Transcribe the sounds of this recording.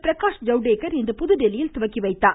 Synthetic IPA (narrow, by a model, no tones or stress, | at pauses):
pɪɾɐkaːʂd͡ʒɐʊɖeːkɐɾɛnd̪ɐpʊðɯɖɛlɪjɪlt̪ʊʋɐkːiʋɐɪt̪ːaː